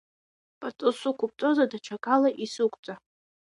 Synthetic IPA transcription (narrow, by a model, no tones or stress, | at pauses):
pʼat͡sʼɨsukʷʰʊp̚t͡sʼozadat͡ʃʰakʼalaʔisɨkʷʼt͡sʼa